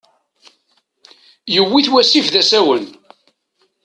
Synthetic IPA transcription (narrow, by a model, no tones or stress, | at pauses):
jəwːiθwæsifðæsæwən